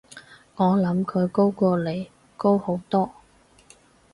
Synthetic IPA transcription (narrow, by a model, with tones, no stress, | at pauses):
ŋɔː˨˧lɐ˨˥mkʰɵ˨˧ɥko˥wkɔː˧le˨˧j | ko˥who˨˥wt̪ɔː˥